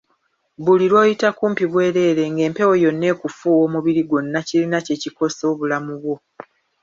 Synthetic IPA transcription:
βuliɾwo̞ːjitakuːmpiβwe̞ːɾe̞ːɾe̞ŋɡe̞ːmpe̞wo̞jo̞nːe̞ːkufuːwo̞ːmuβiɾiɡonːacilinace̞ciko̞so̞ːβulamuβwo̞

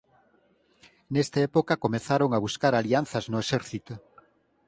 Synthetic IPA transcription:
nest̪aepokakomeθaɾoŋaβuskaɾalian̟θɐznʊesɛɾθit̪o

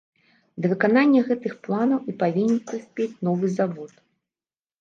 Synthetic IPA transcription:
d̪ɐvɨkananʲːɐɣɛt̪ɨxplˠanɐwipavʲinʲɛnsɨsʲpʲet͡sʲnɔvɨzavɔt̪

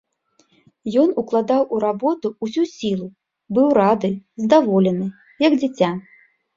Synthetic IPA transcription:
jɔnuklˠad̪awʔuɾabɔt̪uusʲusʲilˠu | bɨwɾad̪ɨzd̪avɔlʲɛnɨ | jɐɡd͡zʲɪt͡sʲa

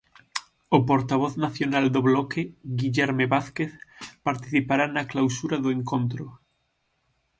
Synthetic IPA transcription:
opoɾt̪aβ̞oθnaθjonald̪oβlokeɣiʎɛɾmeβaθkeθpaɾt̪i̥θipaɾanaklawsuɾaðoẽŋkõnt̪ɾo

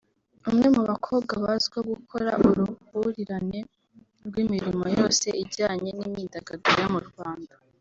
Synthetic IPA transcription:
umŋe̞muβakʰo̞ːbɡaβazɡoɡukʰo̞ɾa̰ʔʔuɾuβuɾiɾane̞ | ɾɡwimiɾimo̞jo̞ːse̞iɟaːɲe̞nimidaɡaɡiɾjomuɾɡwaːnda

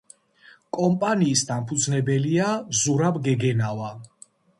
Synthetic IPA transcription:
kʼɔmpʼaniːsd̪ampʰud̪znɛbɛliazuɾabɡɛɡɛnava

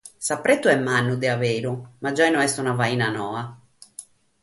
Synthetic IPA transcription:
sapːɾet̪ːuɛmːanːud̪ɛaveːɾumad͡ʒajnɔɛst̪unavaiːnanɔːa

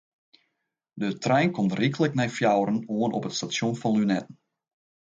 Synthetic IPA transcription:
dətrɛjnkɔmtrikələknɛjfjawɾənoənʔɔpətstasjonfɑnlynɛtən̩

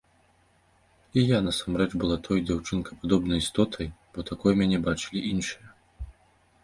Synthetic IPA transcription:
ijanɐsamɾɛt͡ʂbɨlˠat̪ʰɔjd͡zʲawt͡ʂɨnkɐpad̪ɔbnɐjist̪ɔt̪ʰɐjb̥ɔt̪akɔjmʲanʲɛbat͡ʂɨlʲiʔinʂɨjɐ

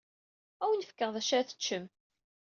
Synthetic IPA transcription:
æwənəfə̥kːəʁðˤæʃæθə̥t͡ʃːəm

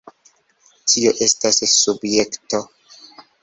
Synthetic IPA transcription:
tʰio̞ʔe̞stasːubje̞kto̞

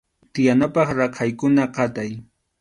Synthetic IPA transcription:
t̪ɪjanapɑχɾaqʰajkʊnaqɑt̪aj

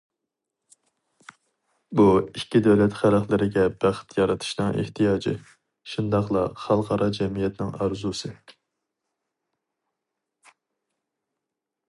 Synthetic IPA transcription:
buikʲːid̪ɛwlɛt̪χælæχlˠɪɾɪɡʲɛb̥æχt̪ʰjɑɾɑt̪ʰu̥ʃnɨŋʔḛht̪ʰijɑːd͡ʒḭ | ʃund̪ɑχlˠɑχælˠʁɑɾʔɑd͡ʒɛmijɛt̪nɪŋɑɾzusɨ

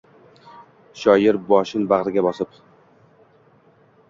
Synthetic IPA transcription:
ʃɒjɪɾbɒʃɪnbaʁɾɪɡʲabɒsɪp

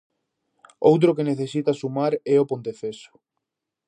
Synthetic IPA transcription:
o̰wt̪̬ɾʊkeneθesit̪asumaɾɛopont̪efesʊ̥

